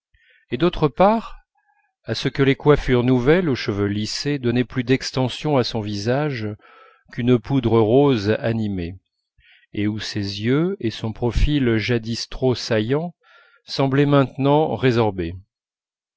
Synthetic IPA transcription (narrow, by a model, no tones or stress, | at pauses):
ed̪ot̪χəpaʁ | asəkəlekwafyʁnuvɛloʃəvølised̪ɔnɛplyd̪ɛkst̪ɑ̃sjɔ̃asɔ̃vizaʒ | kynəpud̪ʁəʁozanime | eusezjøesɔ̃pχɔfilʒad̪ist̪χosajɑ̃ | sɑ̃blɛmɛ̃t̪nɑ̃ʁezɔʁbe